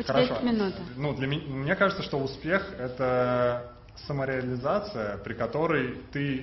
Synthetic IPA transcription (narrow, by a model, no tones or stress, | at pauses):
xʲəɐeʂomʲɪnut̪ənud̪lʲɐmʲɪmnʲekaʐɨt̪səʂt̪o̞ʊspʲe̞xɛt̪ə | səməɾʲɪɐlʲɪzat̪sɨjəpɾʲɪkɐt̪o̞ɾəjt̪ɨ